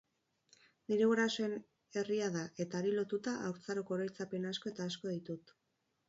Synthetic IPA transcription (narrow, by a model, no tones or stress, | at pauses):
niɾe̞ɣuɾasoe̞n | e̞riaðaʔe̞t̪aːɾilo̞t̪ut̪aʔawɾt͡saɾoko̞ːɾajt͡sape̞nasko̞e̞t̪aːsko̞ðit̪ut̪